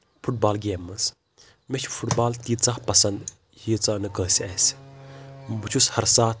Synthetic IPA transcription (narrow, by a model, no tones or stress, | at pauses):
fʰuʈ̚baːlɡeːmːɐs | met͡ʃʰu̥fʰuʈbaːlt̪iːt͡sahpɐsɐnd̪ | hiːt͡saːnɨkəːsiɐs | bɨt͡ʃʰushɐɾsaːt̪̚ʰ